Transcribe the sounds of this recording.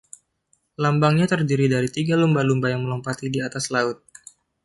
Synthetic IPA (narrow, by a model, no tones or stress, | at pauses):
lambaŋɲat̪ərdiɾidaɾit̪iɡalumbalumbajaŋməlɔmpat̪idiat̪aslaʊt̪̚